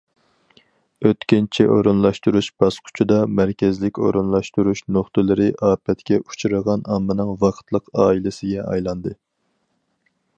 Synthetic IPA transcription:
øt̪kʲint͡ʃʰiʔo̰ɾunlˠɑʃt̪uɾuʃb̥ɑsqʰʊ̥t͡ʃʰud̪ɑmæɾkʲɪzlɪkʲo̰ɾunlˠɑʃt̪uɾuʃnoχt̪ɨlˠɨɾɨʔɑːpʰɛt̪kʲɛʔut͡ʃʰuɾəʁɑnɑmːɨnɨŋvɑqʰt̪lˠəqɑːilɪsɪɡʲɛʔɑ̰jlˠɑnd̪ɨ

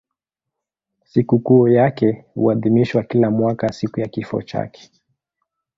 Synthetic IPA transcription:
sikukuɔjakɛhṵaðimiʃwakilamwakasikujakifɔ̰t͡ʃa̰kɛ̥

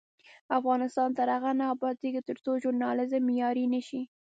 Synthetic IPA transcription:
afɣɑnɪst̪ɑnt̪aɾaɣanɑːbɑt̪ikt̪əɾt͡soʒʊɾnɑlɪzmːɪjɑɾinəʃi

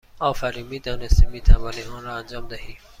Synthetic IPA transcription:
ɒːfæɾiːmid̪ɔːnest̪imiːt̪ʰævɑniɔːnɾɔːænd͡ʒɒːmd̪ahiː

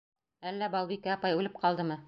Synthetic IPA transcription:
ælːæbɑlˠbikæɑpɑjʉlɘp̚qɑlˠd̪ɤmɤ

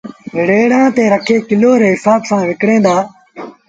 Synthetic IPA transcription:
ɦɪɽeːɽãːt̪eːɾəkʰeːkɪloːɾeːɦɪsaːbsãːʋɪkɽẽːnd̪aː

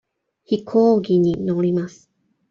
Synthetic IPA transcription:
çikʰoːɡʲiɲ̟inoɾʲimasɨ̥

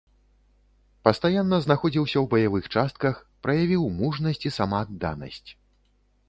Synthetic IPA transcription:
pɐst̪ajanːɐznaxɔd͡zʲiwsʲɐwbɐjavɨxt͡ʂast̪̚kɐxpɾɐjavʲiwmuʐnɐsʲt͡sʲisamaːd̪ːa̰nɐ̰sʲt͡sʲ

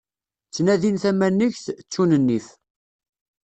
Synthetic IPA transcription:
t͡sːnæðinθæmænːəçθt͡sːunənːiθ

